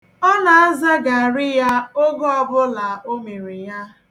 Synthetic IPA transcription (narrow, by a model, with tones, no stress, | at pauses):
ɔ˦na˨a˦za˦ɡa˨a˨ɾɪ˦ja˦o˦ɡɔ˦ɔ˦bʊ˦la˨o˦me˨ɾi˨ja˦